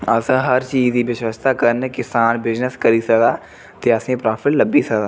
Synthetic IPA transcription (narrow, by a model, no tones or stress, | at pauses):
ɐsãɦɐɾt͡ʃiːziʋɪʃwəst̪ʰakəɾnəkɪsaːnbɪd͡ʒnəskɐɾisɐkd̪aː | t̪eɐsẽpɾaːfʰɪʈlɐbisɐkd̪aː